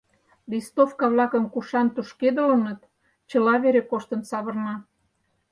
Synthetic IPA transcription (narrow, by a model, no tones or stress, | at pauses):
list̪ofkɑβlɑkə̆mkuʃɑnt̪uʃked̪ə̆lənət̪ | t͡ɕə̆lɑβeɾekoʃt̪ə̆nsɑβɤ̆rnɑ